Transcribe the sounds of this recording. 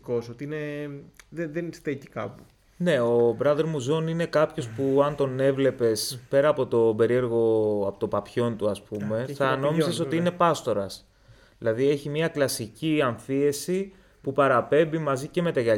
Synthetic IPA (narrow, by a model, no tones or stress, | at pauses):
ko̞sot̪iineðeðenst̪eci̥kɐpu | ne̞o̞bɾɐðeɾmuzo̞nine̞kɐpço̞spuɐnt̪o̞ne̞vle̞pe̞spe̞ɾɐːpo̞t̪o̞be̞ɾie̞ɾɣo̞ɐpot̪opɐpço̞nt̪uɐspume̞θɐno̞miseso̞t̪iine̞pɐst̪o̞ɾɐs | ðilɐðie̞çimɐklɐsiciɐɱθie̞si | pupɐɾɐpe̞mbimɐzice̞me̞t̪ɐʝɐ